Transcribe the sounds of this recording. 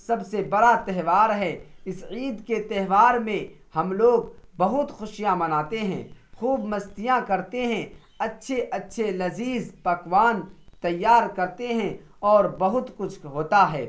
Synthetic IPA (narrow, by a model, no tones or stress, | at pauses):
sɐbsebɐɾat̪ɛɦʋaːɾɦɛːɪsiːd̪ket̪ɛɦʋaːɾmẽ | hɐmloːɡbɐɦʊt̪xʊʃijamɐnaːt̪eɦɛ̰̃ːxuːbmɐst̪ijãkɐɾt̪eɦɛ̃ | ɐtːʃʰeʔɐtːʃʰelɐziːzpɐkʋaːnt̪ɐjːaːɾkɐɾt̪eɦɛ̃ | ɔːɾbɐɦʊt̪kʊt͡ʃʰɦoːt̪aɦɛː